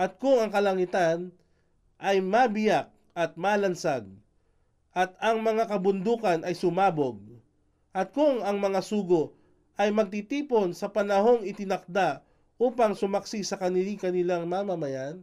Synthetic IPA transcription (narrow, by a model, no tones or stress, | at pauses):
ʔɐt̪̚kʊŋɐŋkɐlɐŋɪt̪an | ʔɐjmabɪjak̚ | ɐt̪̚maːlɐnsaɡ̚ | ʔɐt̪̚ɐŋmɐŋakɐbʊnd̪uːkɐnʔɐjsʊmaːboɡ̚ | ʔɐt̪̚kʊŋɐŋmɐŋasuːɡo | ʔɐjmɐɡ̚t̪it̪iːpo̞nsɐpɐnɐho̞ŋɪt̪ɪnɐk̚d̪a | ʔuːpɐŋsʊmɐksisɐkɐnɪlikɐnɪlaŋmamɐmɐjan